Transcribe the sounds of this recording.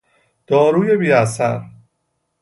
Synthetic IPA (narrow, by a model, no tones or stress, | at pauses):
d̪̥ɒːɾuːje̞biːæsæɾ